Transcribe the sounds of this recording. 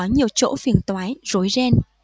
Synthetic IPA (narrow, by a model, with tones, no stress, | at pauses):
ɔ˨˦ɲi˨˩əwt͡ɕo̰˧˥fi˨˩ənt̪waː˨˦jzo˨˦jze˧n